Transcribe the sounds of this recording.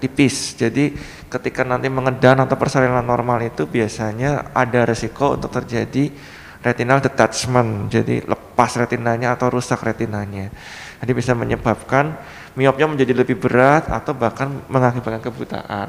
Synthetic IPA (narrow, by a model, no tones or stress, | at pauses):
t̪ipɪsd͡ʒadi | kət̪ikanant̪iməŋədanat̪awpərsaɾilanːɔrmalit̪ubiasaɲaʔa̰daɾisikoṵnt̪ʊk̚t̪ərd͡ʒadi | ret̪inaldət̪at͡ʃmənd͡ʒadḭlʔə̰pasret̪inaɲaːt̪awɾusakrat̪inaɲa | d͡ʒadibisamə̰ɲəbap̚kan | miɔp̚ɲaməɲd͡ʒadiləbɪhbəɾat̪a̰t̪awbahkanməŋakubakankəbut̪a̰ʔa̰n